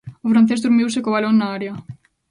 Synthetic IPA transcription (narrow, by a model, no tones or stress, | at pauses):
ofɾan̟θezðuɾmiwsekoβalonːaaɾea